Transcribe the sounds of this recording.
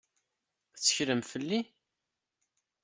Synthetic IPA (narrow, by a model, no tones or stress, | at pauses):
t͡sːəçɾəmfəlːi